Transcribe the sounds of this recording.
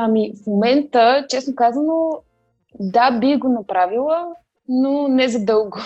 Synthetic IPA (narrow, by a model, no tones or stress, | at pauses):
amifmomɛnt̪ət͡ʃɛsnokazəno | d̪abixɡonɐpɾavilˠə | nonɛzɐd̪ɤlˠɡʊ